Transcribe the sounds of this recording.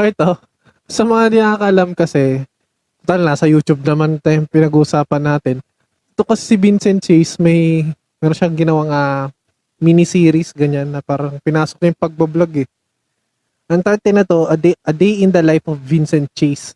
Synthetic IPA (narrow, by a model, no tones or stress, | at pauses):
ʔoɪt̪o | sɐmɐŋanɐaːkɐʔlamkɐsɛ | t̪ot̪alnasɐjuːt͡ʃub̚nɐmant̪ɐɐŋpɪnɐɡuːʔʊsaːpɐnːaːt̪ɪn | ɛt̪okɐsɛsɪbinsɛnt̪̚t͡ʃejsmɐj | mɛːɾonʃɐŋɡɪnɐwaŋa | minɪsiːɾisɡɐɲanːɐpaːɾɐŋpɪnaːsok̚jʊŋpɐɡ̚bɐblaɡɛ | ʔɐŋt̪ɛt̪ɛnɐt̪o̞ʔɐd̪eʔɐd̪ejʔɪnd̪ɐlajfovːinsɛnt̪̚t͡ʃejs